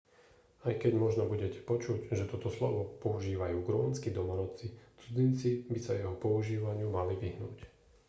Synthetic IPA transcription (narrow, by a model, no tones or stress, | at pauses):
ajkɛɟmɔʒnɔbuɟɛcɛ̥pɔt͡ʃuɟʒɛt̪ɔt̪ɔslɔ̰ʋɔpɔuʒiːʋajuːɡɾuːnskid̪ɔlɔnɔt͡sit͡sud͡zint͡sibisajɛɦɔpɔuʒiːʋaɲɪumaliʋiɦnṵːc